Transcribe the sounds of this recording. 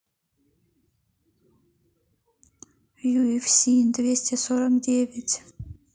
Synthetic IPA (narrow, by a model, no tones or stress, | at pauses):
juifʲsʲind̪ʲvʲesʲtʲesoɾəmdʲevʲɪtʲ